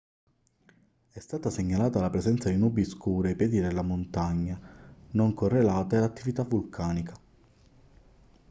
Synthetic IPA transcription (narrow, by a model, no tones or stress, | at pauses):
ɛst̪aːt̪aseɲːalaːt̪alapɾezɛnt̪sad̪inuːbiskuːɾiapjɛːd̪id̪elːamont̪aɲːanoŋkorːelaːt̪aelat̪ːivit̪avːulkʰaːnika